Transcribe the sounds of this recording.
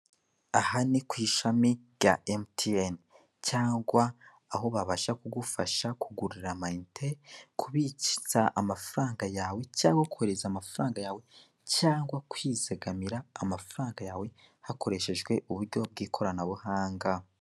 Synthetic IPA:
ahanikwiːʃamiɾɟaemtʰien | caːŋɡwaː | ɦo̞βaβaʃakuɡufaʃakuɡuɾiɾamaintʰekʰuβici̥zaʔamafaɾaːŋɡajaːwe̞caːŋɡwaku̥heɾezaːmafaɾaːŋɡajaːwe̞ | caːŋɡwakwiːzeɡamiɾaːmafaɾaːŋɡajaːwe̞ | hako̞ɾe̞ʃe̞ʒɡwe̞ʔuβuɾɟo̞b̚ɡiːkʰo̞ɾanaβuhaːŋɡa

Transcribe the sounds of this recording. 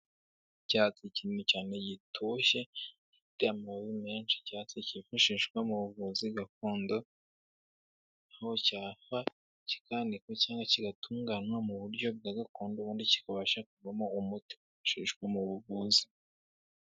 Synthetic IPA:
caːt͡siciːnucaːne̞ɟitʰuʃe̞ | fiteamaoβime̞ːnʃi̥caːt͡secifaʃiʃɡwamuβuɡuziɡak̚uːndo | ahocaːfa | ci̥kanikwecaːŋɡwaciɡatʰuːŋɡanwamuβuɾɟo̞b̚ɡaɡakuːnduβuːndici̥kaβaʃakuvamoumuti̥ufḁʃiʃɡwamuβuβuːzi̥

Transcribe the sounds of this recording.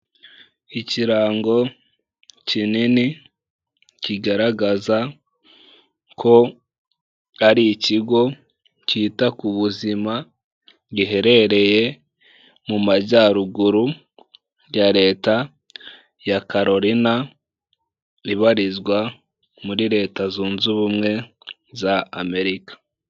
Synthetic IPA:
iciɾaːŋɡo̞ | cinini | ciɡaɾaɡaza | kʰo̞ | aɾiciɡo̞ | ciːtakuβuzima | ɟiɦe̞ɾe̞ɾe̞je̞ | mumaɟaɾuɡuɾu | jaɾe̞ːta | jakaɾo̞ɾina | iβaɾizɡwa | muɾiɾe̞ːtazuːnzuβumŋe̞ | zaːme̞ɾikḁ

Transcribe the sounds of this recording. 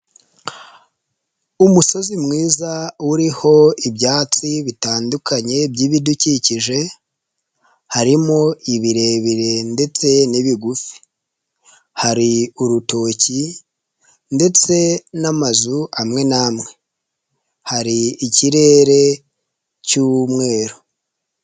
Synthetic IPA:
umuso̞zimŋiːzawuɾiho̞ibjaːt͡siβitaːndukaɲe̞bɟiːβiduciciʒe̞ | haɾimo̞iβiɾe̞ːβiɾe̞nde̞t͡se̞niβiɡufi̥ | haɾiuɾuto̞ːci | nde̞t͡se̞namazuamŋe̞namŋe̞ | haɾiːciɾe̞ːɾe̞ | cumŋe̞ːɾo

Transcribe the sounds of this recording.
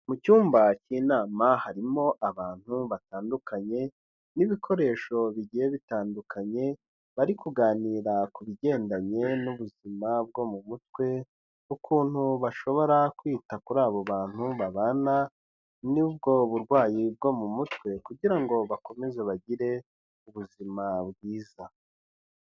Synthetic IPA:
mucuːmbaciːnaːmahaɾimo̞ʔaβaːn̥huβataːndukʰaɲe̞ | niβikʰo̞ɾe̞ːʃo̞βiɟijeβitaːndukʰaɲe̞ | βaɾikuɡaːniːɾakuβiɟe̞ːndaɲe̞nuβuzimab̚ɡo̞mumut̚we̞ | ukʰuːn̥huβaʃo̞βo̞ɾakwiːtakuɾaːβoβaːn̥huβaβana | nibɡo̞βuɾɡwaːjib̚ɡo̞mumutwe̞kuɟiɾaŋɡo̞βako̞me̞ze̞βaɟiɾe̞ | uβuzimabɡiːza

